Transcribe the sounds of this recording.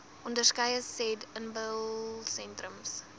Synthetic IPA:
ʔɔndərskɐjəsɛdənbəlsɛ̃ntrəms

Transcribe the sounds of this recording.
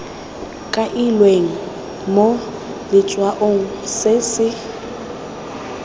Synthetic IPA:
kʼaʔilweŋ̩ | mo | lɪt͡ʃʼwaʔoŋ̩sɪsɪ

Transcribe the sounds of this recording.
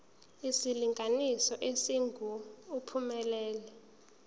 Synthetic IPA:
isiliŋɡʱanisɔʔesiŋɡʱuupʰumɛlɛːlɛ

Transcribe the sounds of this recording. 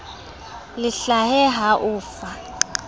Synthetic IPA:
liɬaɦɛɦaʔuːfa

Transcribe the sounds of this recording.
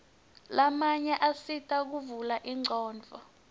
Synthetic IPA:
lamaɲɛʔasitʰʼak̬uvulaʔiŋ͡ǀɔːnd͡vʱɔ

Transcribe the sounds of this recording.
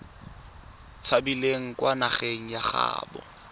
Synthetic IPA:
t͡sʰabileŋ̩kwanaχeŋ̩jaχa̰ːbɔ̰

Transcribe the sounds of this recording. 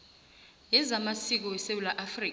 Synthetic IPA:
jɛzamasik̬ɔwɛsewulaʔafriːk

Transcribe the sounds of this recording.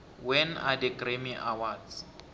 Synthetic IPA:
wɛnadɛkʼremiʔawads

